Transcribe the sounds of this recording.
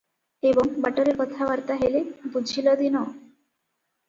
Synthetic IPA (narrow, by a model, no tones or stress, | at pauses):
ebɔŋbaʈɔɾekɔt̪ʰabaɾt̪aɦelebud͡ʒʱilɔd̪inɔ